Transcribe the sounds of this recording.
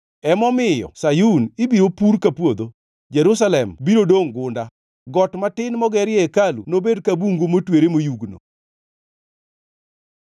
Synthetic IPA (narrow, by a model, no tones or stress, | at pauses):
ɛmɔmɪjɔ̰sajunɪbiɾopuɾkapwod̪o | d͡ʒɛɾus̬alɛmbiɾodoŋɡʊnda | ɡɔtmatɪnmɔɡɛɾɪɛkalṵnobedkabuŋɡomotweɾemojuɡno̰